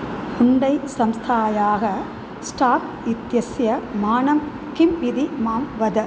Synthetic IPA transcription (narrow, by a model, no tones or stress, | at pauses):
ʊɳɖɐɪsɐmst̪ʰaːjaːɣɐ | sʈaːk | ɪt̪jɐsjɐmaːnɐm | kɪmːɪd̪imaːmʋɐd̪ɐ